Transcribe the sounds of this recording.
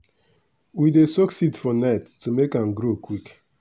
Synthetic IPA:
widesɔksitfɔnaɪtːumekãnɡɾokʰwik

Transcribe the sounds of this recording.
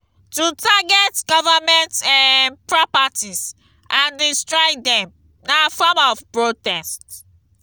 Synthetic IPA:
tutʰaɡɛtɡɔvamɛ̃ntanpɹɔpatis | ʔãndistɹɔjdɛ̃m | nafɔmɔvpɹod̚tɛst

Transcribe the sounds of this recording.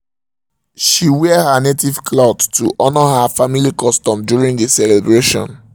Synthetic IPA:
ʃiwɛhanetiv̥kʰlaʊdtuʔɔnɔɦafamilikɔstɔ̃mdjuɹĩŋdisɛlebɹeʃɔ̰̃n

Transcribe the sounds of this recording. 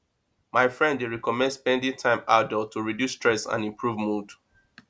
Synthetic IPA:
maɪfɹɛ̃ndeɹikɔmɛ̃ndspɛ̃ndĩŋtʰãɪ̃maʊdɛtʰuɹidjusːtɹɛsã̰nĩmpʰɹuvmud

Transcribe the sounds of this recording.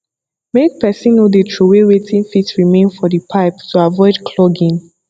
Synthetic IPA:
mek̚pɛsĩnːodetʰɹuweɹetʰĩnfitɹimẽnfɔdipʰaɪptuavɔɪdkʰlɔɡĩn

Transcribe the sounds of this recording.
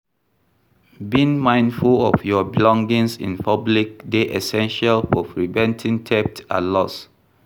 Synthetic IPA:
bĩŋmãɪ̃ndfulɔ̰fjɔbilɔ̃ŋɡĩŋsḭ̃npʰablik̚deʔɛsɛ̃nʃalfɔfɹivɛ̃ntʰĩŋtʰɛp̚ta̰lɔs

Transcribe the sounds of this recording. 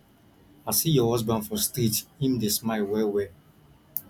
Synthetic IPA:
asijɔhɔzbãndfɔ̃stɾitĩmdesmaɪwɛwɛ

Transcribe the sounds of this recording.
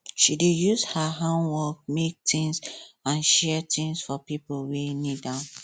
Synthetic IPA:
ʃidejuzhaɦãnwɔk̚mek̚tɪ̃ŋsãnʃɛtʰĩŋsfɔpipwenidã

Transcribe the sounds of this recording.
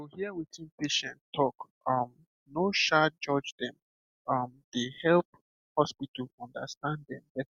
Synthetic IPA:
ohiəwitĩnpeʃɛ̃ntʰɔk | ʌm | noʃad͡ʒɔd͡ʒdɛ̃m | ʌmd̥ehɛlp̚ | hɔspitəlɔ̃ndə̰stãnddɛ̃mbɛt

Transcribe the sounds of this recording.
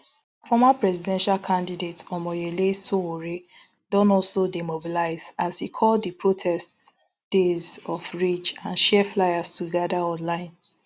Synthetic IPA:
fɔmapɹɛzidɛ̃nʃalkʰãndidetɔmɔjelesowoɹe | dɔ̃nɔlsodemobilaɪz̥azhikʰɔlddipɹotʰɛst | d̥ezɔfɹit͡ʃãnʃɛflaɪastuɡadaɔ̃nlãɪ̃n

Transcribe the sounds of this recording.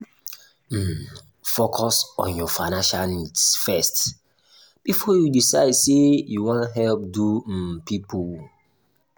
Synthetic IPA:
m̩ | fokʰɔsɔ̰̃njɔfaɪnãnʃalnidsfɛst | b̥ifɔjudisaɪdsejuwãntɦɛlp̚dupipl

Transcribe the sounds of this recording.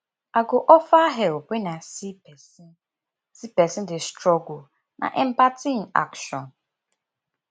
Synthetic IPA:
aɡʊʔɔfaɦeʊpenasipɛsi | sipɛsidɪstɾɔɡo | nʔa̰ʔɛm̩patin̩a̰kʃɔn̩

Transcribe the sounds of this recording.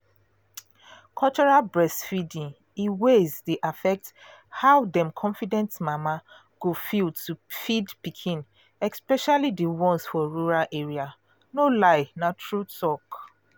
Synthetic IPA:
kʰɔlt͡ʃɔɹalbɹɛstfidĩŋ | iwezdeʔafɛk̚t | haʊdɛ̃mkʰɔ̃nfidɛ̃ntmama | ɡ̥ofiltufidpikʰĩn | ɛkspɛʃalidewɔ̃nsfɔɹuɹalʔeɹia | nolaɪnatɹutʰɔk

